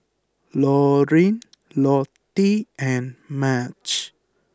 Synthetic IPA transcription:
lɔɾĩn | lɔt̪iɛ̃nmat͡ʃ

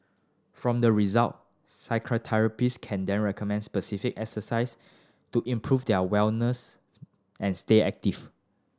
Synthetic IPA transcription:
fɹɔ̃mdəɹizalt̚ | saɪkʰɹotʰɛɹəpiskʰɛ̃ndɛ̃nɹɛkɔmɛ̃ndspəsifikɛksəsaɪs | tuʔĩmpʰɹufdɛəwɛlnəs | ʔɛ̃nsteɛ̰k̚tiv

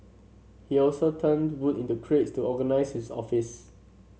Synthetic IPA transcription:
hiɔlsotʰə̃ndwutĩntukʰɹetstuʔɔɡənaɪshisɔ̰fis

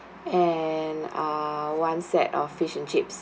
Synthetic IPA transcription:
ɛnawãnsɛ̰tɔ̰fːiʃɛ̃nt͡ʃips

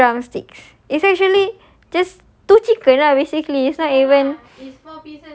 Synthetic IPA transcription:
ãmstiks | isɛk̚t͡ʃuəli | d͡ʒas | tut͡ʃikənabesikliɪsnɔtivə̃n

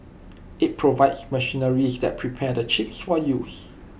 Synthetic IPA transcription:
ɪt̚pʰɹovaɪdsməʃinəɹisdɛ̰t̚pʰɹipʰɛdət͡ʃipsfɔjus

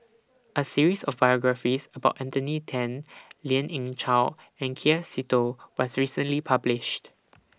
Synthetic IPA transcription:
ʔəsiɹisɔfbajɔɡɹafisəbaʊtɛ̃nt̪ənitʰɛ̃nliə̃nʔĩŋt͡ʃa | ɛ̃nkʰisitowɔsɹisə̃nlipʰablɪʃt

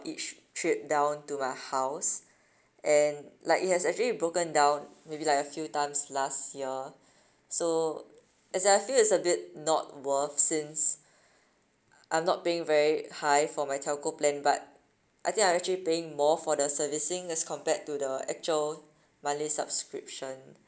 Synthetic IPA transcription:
it͡ʃtʰɹip̚dãʊ̃ntumaɪhaʊs | ʔɛ̃nlaɪkit̚hɛsɛk̚t͡ʃuəlibɹokə̃ndãʊ̃nmebilaɪkəfjutãɪ̃mslastjiə | so | ɛsɛaɪfilɪtsəbɪt̚nɔt̚wəfsĩns | ʔã̰ɪ̃mnɔt̚peɪ̃ŋvɛɹihajfɔmajtʰɛlkoplɛ̃nba̰t̚ | ʔaɪjt̪ɪ̃ŋkaɪj̃mɛk̚t͡ʃəlipeɪ̃ŋmɔfɔdəsəvisɪ̃ŋɛskʰɔ̃mpɛtːudəɛk̚t͡ʃuəl | mãnlisa̰bskɹip̚ʃə̃n

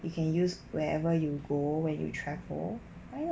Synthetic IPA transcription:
jukʰɛ̃njuswɛɛvəjuɡowɛ̃njṵtʰɹɛvə̰l | a

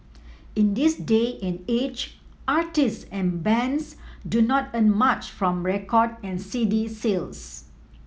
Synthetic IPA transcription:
ĩndisdeɛ̃net͡ʃ | ʔatissɛ̃nbɛ̃nsdunɔtə̃nmat͡ʃfɹɔ̃mɹɛkɔdɛ̃nsidisels

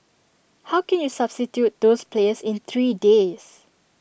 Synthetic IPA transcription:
hawkɛ̃njusabstitjut̚d̪ospʰleəsɪ̃nt̪ʰɹiːdes

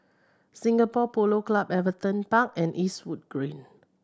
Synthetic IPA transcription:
sĩŋɡapɔpoloklabɛvət̪ə̃npak̚ɛ̃nʔiswud̚ɡ̥ɹĩn

